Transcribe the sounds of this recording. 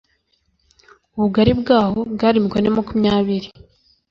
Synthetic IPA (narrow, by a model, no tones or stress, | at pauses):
uβuɡaɾibɡaːho̞bɡaɾimikonemakumɲaːβiɾi